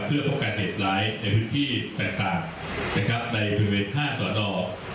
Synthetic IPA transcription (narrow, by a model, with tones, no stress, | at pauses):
pʰɯ˥˩ɐpʰɔoː˥˩kaː˧nɦe˨˩t̪̚ɾaː˦˥jna˧jpʰɯː˦˥nt̪ʰiː˥˩t̪aː˨˩ŋt̪aː˨˩ŋ | na˦˥˩kʰɾa˦˥p̚na˧jpːɾi˧weː˧nhaː˥˩sɔː˩˦nɔː˧˩